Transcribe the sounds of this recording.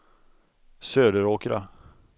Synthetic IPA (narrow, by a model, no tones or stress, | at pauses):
søːd̪əɾoːkɾa̰